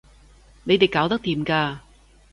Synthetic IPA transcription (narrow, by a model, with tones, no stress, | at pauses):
ne˨˧jt̪e˨jkaː˨˥wt̪ɐ˥k̚t̪iː˨mkaː˧